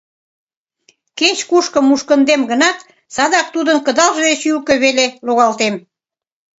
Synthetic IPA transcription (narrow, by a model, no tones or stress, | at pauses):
ket͡ɕkuʃkəmːuʃkə̆nd̪emɡə̆nɑt̪ | sɑd̪ɑk̚t̪ud̪ənkə̆d̪ɑlʒed̪et͡ɕylkə̆βeleloɣɑlt̪em